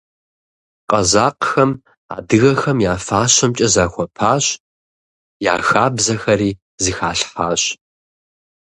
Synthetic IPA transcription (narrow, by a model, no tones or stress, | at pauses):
qʼɐzaːqxɐm | a̰ːdɨɣɐxɐmjaːfaːɕɐmt͡ʃʼɐzaːxʷɔpʰaːɕ | ja̰ːxaːbzɐxɐɾiː | zɨxaːɬħaːɕ